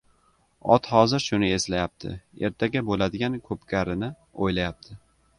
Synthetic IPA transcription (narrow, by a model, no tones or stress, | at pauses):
ɒ̰t̪hɒzɪɾʃʊnɪe̞slajap̚t̪ʰɪ̰e̞̰ɾt̪ʰaɡʲabolad̪ɪɡʲankʰɵpkʲʰaɾɪnɪ | ojlajap̚t̪ʰɪ